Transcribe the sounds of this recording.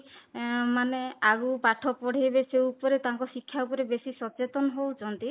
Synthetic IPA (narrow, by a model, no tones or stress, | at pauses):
maneaɡupaʈʰɔpɔɽ̤abesewupɔɾet̪aŋkɔsikʰːjaupɔɾebesisɔt͡ʃet̪ɔnɔɦowt͡ʃʰɔnt̪i